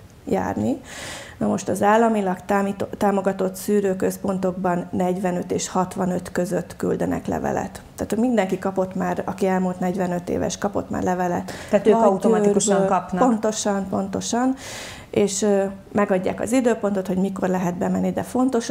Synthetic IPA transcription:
ja̰ːrninɒmo̞ʃt̪ɒzaːlːɒmilɒkt̪ːit̪aːmo̞ɡɒt̪o̞t̪syːɾøːkø̞spo̞nt̪o̞ɡbɒnːɛɟʋɛnø̞t̪eːʃhɒt̪ʋɒnøt̪kø̞zøt̪ːky̰ld̪ɛnɛ̰klɛ̰vɛ̰lɛ̰t̪ːaːt̪hoɟmind̪ɛŋkikɒpo̞t̪maːɾɒkiɛlmult̪nɛɟvɛnø̞t̪ḛːvɛ̰ʃkɒpo̞̰t̪ma̰ːrlɛvɛlɛt̪aːt̪øːɒut̪oymikuʃŋkɒpnpont̪o̞ʃɒnpo̞nt̪o̞ʃɒn | eːʃ | mɛɡɒɟːa̰ːkɒ̰zid̪øːpo̞nt̪o̞t̪ho̞ɟmiko̞rlɛɦɛd̪̚bɛmɛnːid̪ɛfo̞nt̪o̞ʃ

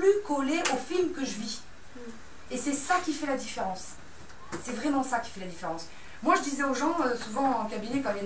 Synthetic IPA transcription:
plykɔleʔofilmkəʒəvi | esɛsakʲifɛlad̪ifeʁɑ̃sː | ɛvʁɛmɑ̃sakʲi̥fɛlad̪ifeʁɑ̃s | mwaʒəd̪izɛoʒɑ̃øsuvɑ̃ɑ̃kabinɛkɑ̃jɛ

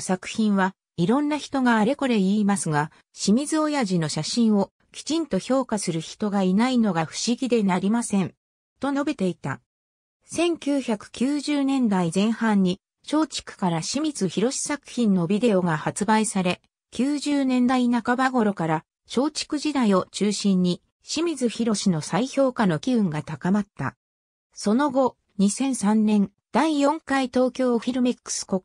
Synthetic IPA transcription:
sakɯ̟̥çĩɰ̃βa | iɾõ̞nːaçi̥t̪o̞ɡaːɾe̞ko̞ɾe̞iːmasɨɡa | ɕimʲizɨo̞jaʑino̞ɕaɕĩɰ̃o̞ | kʲi̥t͡ɕĩnt̪o̞ço̞ːkasɨɾɯ̟çi̥t̪o̞ɡainaino̞ɡaɸɯ̟̥ɕiɡʲid̪e̞naɾʲimasẽ̞n | t̪o̞o̞be̞t̪e̞it̪a̰ | sẽ̞ŋkʲɨːçakɯ̟̥kʲɨːʑɨːnẽ̞nd̪aizẽ̞ɰ̃hãɲ̟ːi | ɕo̞ːt͡ɕi̥kɯ̟̥kaɾaɕimʲizɨçiɾo̞ɕi̥sakɯ̟̥çĩnːo̞bʲid̪e̞o̞ɡahat͡sɨbaisaɾe̞ | kʲɨːʑɨːnẽ̞nd̪ainakabaɡo̞ɾo̞kaɾa | ɕo̞ːt͡ɕi̥kɯ̟ʑid̪aio̞t͡ɕɨːɕĩɲ̟ːi | ɕimʲizɨçiɾo̞ɕino̞saiço̞ːkano̞kʲiɯ̟̃ŋɡat̪akamat̪ːa̰ | so̞no̞ɡo̞ | ɲ̟isẽ̞ɰ̃sãnːẽ̞n | d̪̥aijõ̞ŋkait̪o̞ːkʲo̞ːɸʲiɾɯ̟mekːɯ̥sɨ̥ko̞k

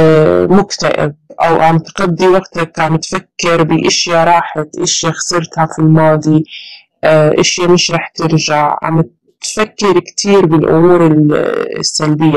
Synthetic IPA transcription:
mʊkt̪aʔɪ̰b̚ʔa̰wʕamt̪qad̪ːiwaɡt̪akʕamt̪fakːɪɾbɪʔɪʃjaɾˤɑːħat̪ʔɪʃjaxsɑɾˤt̪hafilmɑːd̪ˤi | ʔʔɪʃjamɪʃɾˤɑːħt̪ɪɾʒaʕʕa̰m | t̪fakːɪɾkt̪ʰiːɾbɪlʔʊ̰muːɾɪl̰sːalbɪjːa

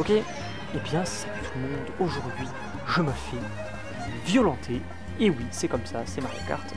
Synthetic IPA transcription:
ɔkʲe | ebjɛ̃sɛt̪umɔ̃d̪oʒuʁd̪ɥi | ʒəməfɛ | vjɔlɑ̃t̪ʰe | ewisɛkɔmsasɛmaʁa̰ka̰ʁt̪

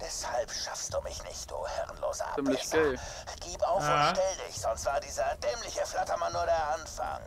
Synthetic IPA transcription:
v̥ɛshalpʃafstd̥uːmɪçnɪ̰çt̚d̥ṵːhɛ̰ʁənlo̰ːzə̰ʔa̰ɪz̥ | ɡ̥iːpaʊfʊnʃtɛldɪ̰çz̥ɔnstv̥aːɐdiːzɐdɛːmlɪçəflatɐmanːuːɐɾeːɐʔanfa̰ŋ

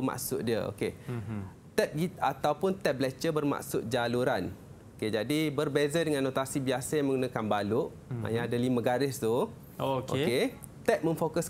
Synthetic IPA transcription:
ma̰ksʊ̰t̪̚diəo̰ke | t̪ɛt̪̚ɡiat̪awpʊnt̪ɛblɛt͡ʃəbərma̰ksʊt̪̚d͡ʒaluɾan | oked͡ʒadibərbezadəŋãnːot̪asibiasajaŋmə̃ŋɡunakanbalʊʔ | ma̰jaadaliməɡaɾɪst̪u | oko̰ke | t̪ɛt̪̚mə̃mfokəs

